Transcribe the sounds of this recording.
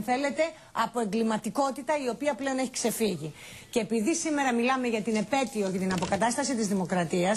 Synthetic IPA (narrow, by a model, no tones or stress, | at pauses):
θe̞le̞t̪e̞ | ɐpo̞e̞ŋɡlimɐt̪iko̞t̪it̪ɐio̞piɐple̞o̞ne̞çikse̞fiʝi | ceːpiðisime̞ɾɐmilɐme̞ʝɐt̪ine̞pe̞t̪io̞ce̞t̪inɐpo̞kɐt̪ɐst̪ɐsit̪izðimo̞kɾɐt̪iɐs